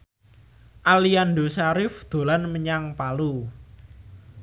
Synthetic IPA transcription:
ʔalianɖosaɾɪfd̪̥o̤lanməɲaŋpalu

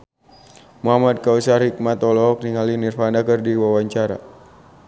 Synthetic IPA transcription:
muɦamad̪̚kausarhik̚mat̪ɔlɔɦɔk̚niŋalinirfanakərdiwawaɲt͡ʃaɾa̰

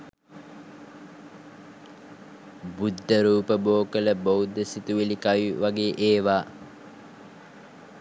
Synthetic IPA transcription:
bud̪ʱːəɾuːpəboːkələbowd̪ːəsit̪uʋilikajʋaɡeːʔeːʋaː

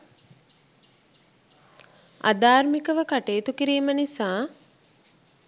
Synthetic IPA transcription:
a̰d̪aːɾmikəʋəkaʈeːt̪ukiɾiːmənisaː

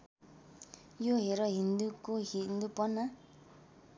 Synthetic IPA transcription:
joɦeɾʌɦind̪ukoɦind̪upʌna

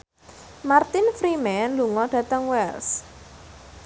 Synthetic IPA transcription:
mart̪ɪnfɾimɛnluŋɔɖ̥ä̤t̪əŋwɛls

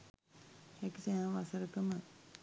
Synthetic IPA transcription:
hɛkisæʋasəɾəkəmə

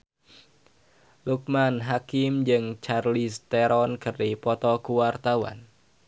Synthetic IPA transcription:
luk̚manɦakimd͡ʒɨŋt͡ʃarlist̪ɛɾɔnkəripɔt̪ɔkuwart̪awa̰n

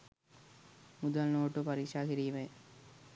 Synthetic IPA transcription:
mud̪ɐlnoːʈːopɐɾikʂaːkiɾiːʋe

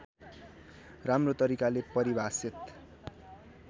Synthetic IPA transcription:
ramrot̪ʌɾikalepʌɾibʱasit̪

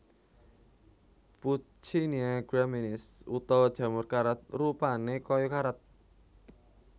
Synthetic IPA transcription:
pu | t͡ʃiniaɡ̥ɾaminɪsut̪ɔd̥ʒ̥ä̤mʊrkaɾat̪̚rupanekɔjɔkaɾat̪̚

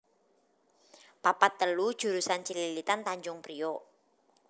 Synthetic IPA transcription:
papat̪ːəlud̥ʒ̥ṳɾusant͡ʃililit̪ant̪aɲd͡ʒʊŋpɾijo

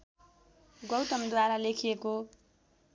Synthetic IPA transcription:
ɡʌwt̪ʌmd̪waɾalekʰijeko

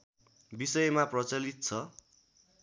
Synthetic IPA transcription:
bisʌjmaprʌt͡sʌlit̪̚t͡sʰʌ

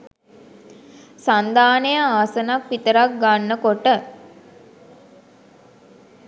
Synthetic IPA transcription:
sand̪aːnəjəaːsənakʋit̪əɾak̚ɡanːəkoʈə

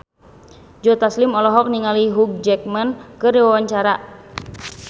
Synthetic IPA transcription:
d͡ʒɔt̪aslimɔlɔɦɔk̚niŋaliɦuɡ̚d͡ʒɛk̚mankɨrdiwawaɲt͡ʃaɾa

